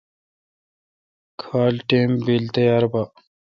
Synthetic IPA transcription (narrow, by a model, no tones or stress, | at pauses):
kʰaːlʈeːmbilt̪ejaːɾba